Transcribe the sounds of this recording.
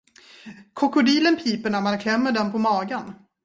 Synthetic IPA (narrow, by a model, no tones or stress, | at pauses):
kʰɔkʊd̪iːlənpʰiːpəɳæmankʰlɛmːəɖɛnpʰɔmɑːɡan